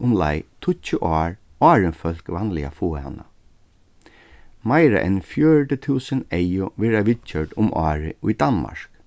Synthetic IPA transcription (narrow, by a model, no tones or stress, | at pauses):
ʊmla̰jt̪ʰʊt͡ʃːʊʔɑːɹ | ɑːɹɪnfœlkʋanlɪa̰fuːha̰nːa | majɾa̰ʔɛ̰nfjœːɹʈət̪ʰuːsənejʊʋɛːɾaʋɪt͡ʃœɹʈ̪ʊmʔɑːɹɪ̰ʔʊjd̪anma̰ɹ̥k